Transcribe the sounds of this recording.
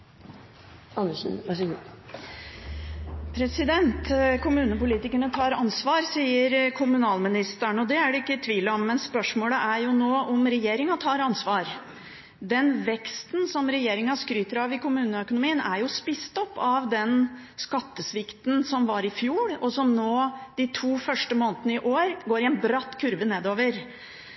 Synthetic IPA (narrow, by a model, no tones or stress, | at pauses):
ɑnəʂ | pʰɾɛsɪd̪ɛnt̪kʰʊmʉːnəpʊliːt̪ɪkəɳət̪ʰɑːɾɑnsʋɑːɾsiːəɾkʰʊmʉnɑːlmɪnɪst̪əɳɔd̪ɛæɖɛɪkːət̪ʰʋiːləɔmːɛnspœʂmoːləʔæɾjʊnoːʔɔmɾɛjeːɾɪŋɑt̪ʰɑːɾɑnsʋɑːɾ | d̪ɛnʋɛkst̪nsɔmɾɛjeːɾɪŋɑskɾyːt̪əɾɑːʋɪkʰʊmʉːnəœkʊnʊmiːənæ̰ɾjʊspɪst̪ɔpːɑʋd̪ɛnskɑt̪ːəsʋɪkt̪n̩sɔmʋɑɾɪfjuːɽɔsɔmnoːd̪̥ɪt̪ʰuːfœʂʈəmoːnt̪ənəɪʔoːɾɡoːɾɪɛnbɾɑt̪ːkʰʉɾʋəneːd̪oːʋəɾ